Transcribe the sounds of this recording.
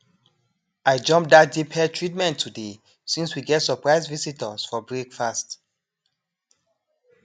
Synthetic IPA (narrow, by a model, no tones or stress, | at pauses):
ajd͡ʒɔ̃mp̚dat̚depʰɛtʰɹitmɛ̃ntʰːude | sĩnswiɡɛtsəpɹaɪzvisitəsfɔbɹekfast